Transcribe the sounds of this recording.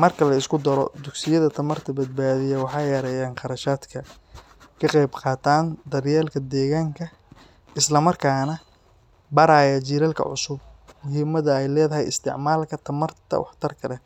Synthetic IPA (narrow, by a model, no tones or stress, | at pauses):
mɐrkʰɐlɐɪskʰʊd̪ɐɾɔ̰d̪ʊɡsɪjɐðɐt̪ʰɐmɐrt̪ʰɐbɐd̪̚baːðɪjɐwɑħɑjɐɾɛjaːnqɑɾɐʃaːd̪kʰɐ | kʰɐqɑjbqɑːt̪ʰaːnd̪ɐrjɛːlkʰɐd̪ɛːɣaːŋkʰɐ | ɪslɐmɐrkʰaːnɐ | bɐɾaːjɐt͡ʃiːɾɐlkʰɐ̰ʕʊ̰sʊb̚mʊɦiːmɐðɐɛjlɛːðɐɦɛjɪst̪ʰɪ̰ʕmaːlkʰɐt̪ʰɐmɐrt̪ʰɐ̰wɑ̰ħt̪ʰɐrkʰɐlɛ